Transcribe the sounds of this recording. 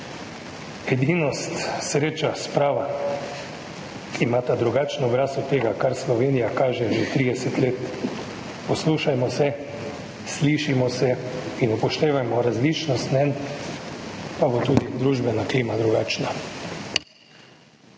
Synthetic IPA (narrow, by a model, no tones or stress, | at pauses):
ɛd̪inɔst̪sɾeːt͡ʃaspɾaːʋa | imaːt̪ad̪ɾuɡaːt͡ʃnɔɔbɾaːsɔt̪ːeːɡakaɾslɔʋeːnijakaːʒɛʒet̪ɾiːd̪ɛsɛt̪leːt̪ | pɔsluːʃajmɔsɛ | sliːʃimɔsɛinupɔʃt̪eːʋajmɔɾazliːt͡ʃnɔst̪nɛn | pabot̪uːd̪id̪ɾuːʒbɛnakliːmad̪ɾuɡaːt͡ʃna